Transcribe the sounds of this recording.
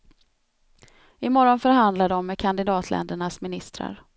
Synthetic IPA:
ɪmɔɾɔnfœɾɦand̪lad̪əɔmːɛkʰand̪ɪd̪ɑːt̪ʰlʔɛ̰nd̪əɳasmɪnɪst̪ɾa̰ɾ

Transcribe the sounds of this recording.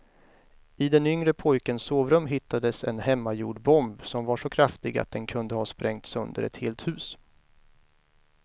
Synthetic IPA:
ɪd̪ɛnʏŋɾəpʰɔjkənsːoːvɾɵmɦɪt̪ʰːad̪əsɛ̰nhɛmːajṵːɖbɔmbsɔmvaʂɔkʰɾaft̪ɪɡa̰t̪̚d̪ɛnkʰɵnd̪əhɑːspɾʔɛŋt̪sɵ̰nd̪ə̰ɾɛ̰t̪heːlt̪hʉ̟ːs

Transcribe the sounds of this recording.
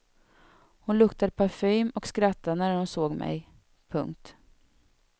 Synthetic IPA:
hʊnlɵkt̪ad̪pʰaɾfyːmɔkskɾat̪ːanæɾhʊnsoːɡmɛ̰j | pʰɵ̰ŋk̚t̪

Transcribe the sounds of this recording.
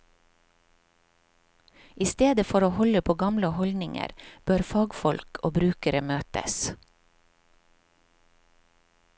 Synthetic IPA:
ʔiːst̪eːd̪əfɔɾoːhɔləpʰoːɡɑmləhɔlnɪŋə̰ɾb̥øːɾfɑːɡfɔlkʰoːbɾʉːkəɾəmøːt̪ə̰s

